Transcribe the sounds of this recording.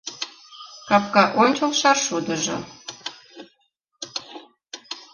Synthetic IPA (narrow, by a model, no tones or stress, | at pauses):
kɑp̚kɑʔonʲt͡ɕolʃɑrʃud̪ə̆ʒɤ̰̆